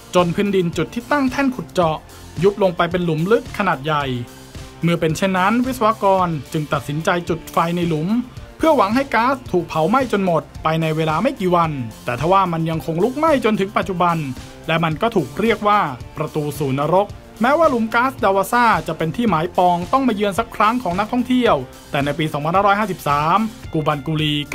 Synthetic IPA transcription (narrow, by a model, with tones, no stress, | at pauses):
t͡ɕo˧npʰɯː˦˥ndi˧nt͡ɕu˨˩t̪ʰːiː˥˩t̪a˥˩ŋt̪ʰɛ˥˩nkʰu˨˩t̪̚t͡ɕɔ˨˩ | ju˦˥p̚lo˧ŋpa˧jpe˧nlu˨˩˦mlɯ˦˥k̚kʰːa˧naː˨˩t̪̚ja˨˩j | mɯ˥˩əpe˧nt͡ɕʰe˥˩nːa˦˥nwi˦˥t̪sa˧wa˧˥kɔː˧nt͡ɕɯ˧ŋt̪a˨˩t̪̚si˩˦nt͡ɕa˧jt͡ɕu˨˩t̪̚fa˧jna˧jlu˨˩˦mpʰɯ˥˩wa˨˦ŋɦa˥˩jkaː˦˥st̪ʰːuː˨˩k̚pʰa˩˦wma˥˩jt͡ɕo˧nmo˨˩t̪̚pʰa˧jna˧jweː˧laː˧ma˥˩jkiː˨˩wa˧nt̪ɛː˨˩t̪ʰa˧˩waː˥˩ma˧nja˧ŋkʰo˧ŋlu˦˥k̚ma˥˩jt͡ɕo˧nt̪ʰɯ˩˦ŋpa˨˩t̪̚t͡ɕu˨˩ba˧n | lɛ˦˥ma˧nkɔː˥˩t̪ʰuː˨˩k̚ɾi˥˩ək̚waː˥˩pɾa˧t̪uː˧suː˨˩na˧ɾo˦˥k̚ | mɛː˦˥waː˥˩lu˨˩˦mkaː˦˥sdaː˧waː˧saː˥˩t͡ɕa˨˩pe˧nt̪ʰiː˥˩maː˩˦jpɔː˧ŋt̪ɔ˥˩ŋmaː˧jɯ˧ənsa˦˥kʰɾa˦˥ŋkʰɔː˩˦ŋna˦˥k̚t̪ʰɔ˥˩ŋt̪ʰi˥˩əw | t̪ɛː˨˩na˧jpiː˧sɔː˩˦pʰa˧nhaː˥˩ɾɔː˦˥jhaː˥˩si˨˩p̚saː˩˦mkuː˧ba˧nkuː˧liː˧k